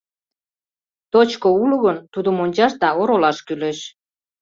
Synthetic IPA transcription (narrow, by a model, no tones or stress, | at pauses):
t̪ot͡ɕkouluɣənt̪ud̪əmonʲt͡ɕɑʃd̪ɑoɾolɑʃkyleʃ